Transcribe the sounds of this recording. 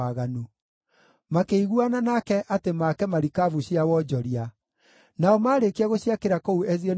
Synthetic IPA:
aɣanu | makeiɣuananakɛʔatemakɛmaɾikavuɕiawɔd͡ʑɔɾia | naɔmaːɾekeaɣoɕiakeɾakɔuɛziɔn

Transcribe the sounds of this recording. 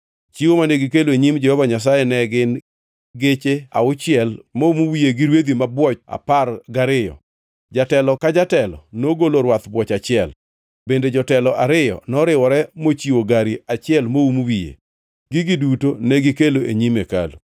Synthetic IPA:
t͡ʃiwomanɛɡɪkeloeɲimd͡ʒɛhɔvaɲas̬ajɛnɛɡɪn | ɡet͡ʃea̰ʊt͡ʃɪɛlmoumuwijeɡɪɾwed̪imabwɔt͡ʃa̰parɡaɾɪjɔ̰ | d͡ʒatɛlɔkad͡ʒatɛlɔ̰noɡoloɾwat̪bwɔt͡ʃat͡ʃɪɛl | bended͡ʒɔtɛlɔʔaɾɪjɔ̰nɔɾɪwɔɾɛmot͡ʃiwoɡaɾiat͡ʃɪɛlmoumuwijḛ | ɡɪɡidutonɛɡɪkeloʔeɲimeka̰lu

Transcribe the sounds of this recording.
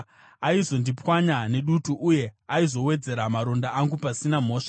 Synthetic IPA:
aizo̞ndipwaɲane̞ɗutuʔuje̞aizo̞we̞d͡ze̞ɾamaɾo̞ndaʔaŋɡupasinam̤o̞ːʂḁ

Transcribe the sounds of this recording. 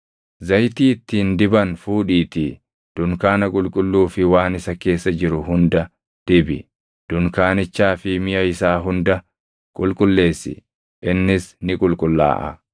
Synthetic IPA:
zɐjt̪iːɪt̪ːiːnd̪ɪbɐnfuːᶑiːt̪i | d̪̥ʊŋkaːnɐkʼʊlkʼʊlːuːfɪwaːnɪsɐke̞ːsːɐd͡ʒɪɾʊɦʊnd̪ɐ | d̪̥ɪbɪ̰ | d̪̥ʊŋkaːnɪt͡ʃːaːfɪmɪjɐɪsaːɦʊnd̪ɐ | kʼʊlkʼʊlːe̞ːsːɪ̰ | ʔɪnːɪsnɪkʼʊlkʼʊlːa̰ːʔɐ̰

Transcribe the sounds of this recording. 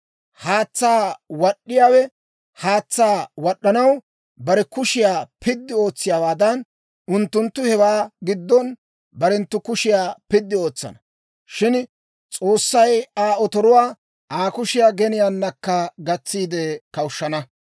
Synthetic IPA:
haːt͡sːaːwɐɗːɪjaːwɛ | haːt͡sːaːwɐɗːɐnɐw | bɐɾɛkʊʃɪjaːpɪd̪ːɪo̞ːt͡sːɪjaːwaːd̪ɐn | ʊnt̪ːʊnt̪ːʊhɛwaːɡɪd̪ːɔn | bɐɾɛnt̪ːʊkʊʃɪjaːpɪd̪ːɪo̞ːt͡sːɐ̰nɐ | ʃɪn | t͡sʼo̞ːsːɐjaːɔt̪ɔɾʊwaː | ʔaːkʊʃɪjaːɡɛnɪjaːnːɐkːɐɡɐt͡sːiːd̪ɛkɐwʃːɐnɐ

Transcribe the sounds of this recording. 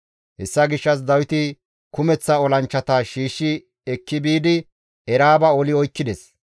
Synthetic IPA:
hɛsːɐɡɪʃːɐs̬d̪ɐwɪt̪ɪ | kʊmɛt͡sːɐɔlɐnt͡ʃːɐt̪ɐʃiːʃːɪ | ɛkːɪbiːd̪ɪ | ɛɾaːbɐɔlɪɔjkːɪd̪ɛs

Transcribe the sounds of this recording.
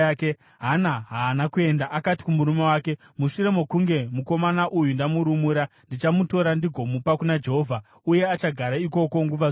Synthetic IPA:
ke | ɦanaɦaːnakue̞ndaʔakati̥kumuɾume̞waːke̞ | muʃuɾe̞mo̞kuŋɡe̞muko̞manaʔujundamuɾumuɾandit͡ʃamuto̞ɾandiɡʱo̞mupakunad͡ʒe̞ɦovʱa | uje̞at͡ʃaɡʱaɾaiko̞ko̞ŋɡuʋa

